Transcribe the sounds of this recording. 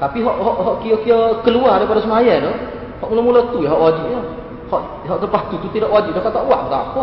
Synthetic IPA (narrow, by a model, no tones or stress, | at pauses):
t̪apiɦɔʔɦɔʔɦɔʔkiokiəkəluadapadasəmajadɔ | hɔʔmuləmulot̪ujaɦɔʔwad͡ʒip̚lah | hɔʔ | ɦɔʔt̪əpat̪ut̪ut̪idaʔwad͡ʒip̚dahkaʔt̪aʔwaʔt̪a̰ʔapə